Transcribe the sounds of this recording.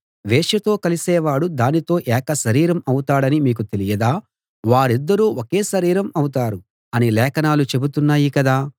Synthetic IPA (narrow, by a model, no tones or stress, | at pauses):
ʋɛːʃɐt̪o̞ːkɐlisɛːʋaːɽud̪aːnit̪o̞ːʔɛːkɐʃɐɾiːɾɐmɐwut̪aːɽɐnimiːk̬ut̪e̞lijɐd̪aː | ʋaːɾid̪ːɐɾuːʔokeːʃɐɾiːɾɐmɐwut̪aːɾu | ɐnilɛːkɐnaːlut͡ʃe̞but̪unːaːjikɐd̪aː